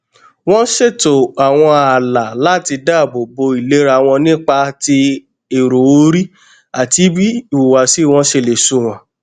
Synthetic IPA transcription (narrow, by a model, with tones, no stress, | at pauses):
w̃ɔ̃˦ʃe˦˨to˨a˨w̃ɔ̃˧a˨la˨la˦˨ti˧da˦˨bo˨bo˧i˨le˨˦ɾa˧˨w̃ɔ̃˧nĩ˦k͡pa˧ti˧ | e˨ɾo˨o˧˦ɾi˦ | a˨ti˨˦bi˦˨u˨wa˨si˦w̃ɔ̃˦ʃe˧˨le˨sũ˦˨w̃ɔ̃˨˦